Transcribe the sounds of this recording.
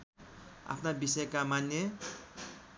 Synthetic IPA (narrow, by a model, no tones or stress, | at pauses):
a̰pʰnabisʌjkamanjʌ